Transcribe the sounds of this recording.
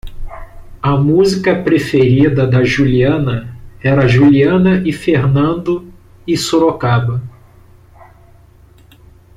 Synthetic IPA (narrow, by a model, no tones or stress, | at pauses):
ɐmuzikɐpɾefeɾid̪ɐd̪ɐʒuliɐ̃nɐɛɾɐʒuliɐ̃nɐʔɪfeɾnɐ̃nd̪ʊ | ɪsoɾokabɐ